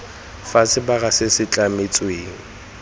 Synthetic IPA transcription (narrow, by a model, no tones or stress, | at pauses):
fasɪbaɣasɪsɪt͡ɬʼamɪt͡sʼweːŋ̩